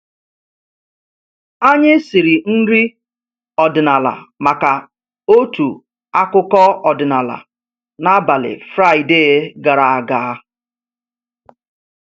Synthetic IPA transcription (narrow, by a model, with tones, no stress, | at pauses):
a˦ɲɪ˦si˨ɾi˨n̩˦ɾi˦ | ɔ˨dɪ˨na˨la̰˨ma˨ka˨ | o˦tu˨ | a˦kʊ˦kɔ˦ɔ˨dɪ˨na˨la̰˨ | na˦ba˨lɪ̰˨fɾa˦˨ɪ˨de˦˨˦ɡa˨ɾa˨a˨ɡa˨˦